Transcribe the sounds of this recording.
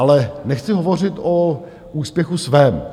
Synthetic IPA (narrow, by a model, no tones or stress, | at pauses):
alɛnɛxt͡sɪɦovo̞r̝ɪt̪ʔo | uːspjɛxusvɛːm